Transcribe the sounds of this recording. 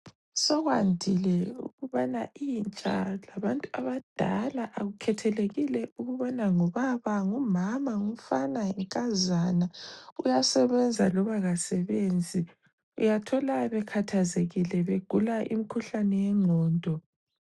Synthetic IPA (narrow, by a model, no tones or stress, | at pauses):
sɔɣwandʱilɛṵɣuβanaʔint͡ʃʼa̰laβantʼuaβad̥ʱa̰laʔaɣukʰɛtʰɛleɣilɛʔuɣuβɔnaŋɔβaβaŋumamaŋum̩fanaɛŋkʼazanaujasɛβɛnd͡zʱalɔβaɣasɛβeːnd͡zʱi | ṵjatʰɔlaβɛkʰatʰazeɣilɛβeɡ̥ʱulaʔḭmikʰuɬanɛjɛŋɔːndʱʼɔ